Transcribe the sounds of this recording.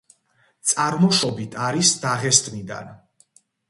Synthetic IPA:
t̪sʼaɾmɔʃɔbit̪ʰaɾisd̪aʁɛst̪ʰʼmid̪a̰n

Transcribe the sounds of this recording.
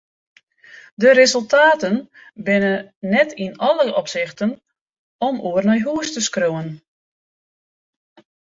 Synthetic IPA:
dəɾezəlˠtaːtən | bɪnənɛtʰinɔləʔɔpsɪxtən | ɔmuərnɔjɦuːəstəskrowən

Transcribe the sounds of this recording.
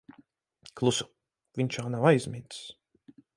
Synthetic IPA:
klˠusʊ̥ | vʲint͡ʃaːnawajzʲmʲit̪s

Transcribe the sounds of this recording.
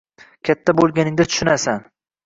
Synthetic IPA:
kʲʰat̪ʰːabolˠɡʲanɪŋd̪at̪ʰʊ̥ʃɪnasan

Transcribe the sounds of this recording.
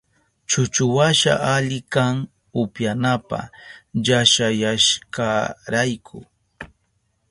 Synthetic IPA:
t͡ʃʊt͡ʃʊwaʃa̰ʔaʎɪkaŋ | ʊpjanapa̰ʎaʃajaʃkaɾajkʰʊ

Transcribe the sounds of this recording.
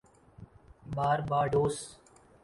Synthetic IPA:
baːɾbaːɖoːs

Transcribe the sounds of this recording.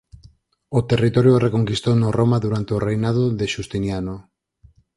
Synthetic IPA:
ʊt̪erit̪ɔɾjorekoŋkist̪onoromaðuɾant̪eorejnað̞oðeʃust̪injano

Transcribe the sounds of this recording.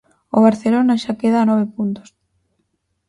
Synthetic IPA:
ʊβ̞aɾθelonaʃakeðaːnɔβ̞epunt̪o̥s

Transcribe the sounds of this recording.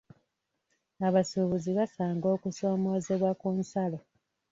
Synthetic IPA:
aβasuβuziβasaːŋɡo̞ːkuso̞ːmo̞ːze̞βwakuːnsalo

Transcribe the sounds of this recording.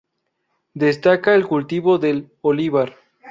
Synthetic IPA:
d̪est̪akaelkult̪iβo̞ðel | oliβaɾ

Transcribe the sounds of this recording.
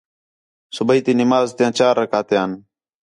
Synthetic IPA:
sʊbʱəiːt̪iːnɪmaːzt̪ɪjãːt͡ʃaːɾːəkaːt̪ejaːn

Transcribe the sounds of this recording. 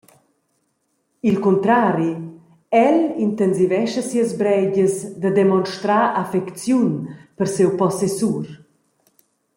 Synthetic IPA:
ilkunt̪ɾaːɾi | ɛlint̪ɛnzivɛʃəsiəzbɾɛɟəsd̪əd̪emɔnʃt̪ɾaʔafɛkt͡sjunpəɾsewpɔsesuɾ

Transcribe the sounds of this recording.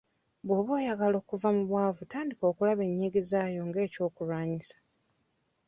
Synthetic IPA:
bwoːβoːjaɡalo̞ːkuvamuβwaːvutaːndiko̞ːkulaβe̞ɲːiɡizaːjo̞ŋɡe̞ːco̞ːkulwaːɲisḁ

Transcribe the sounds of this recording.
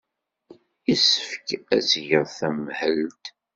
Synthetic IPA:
isə̥fkæzʝəʁθæmhəlt̪

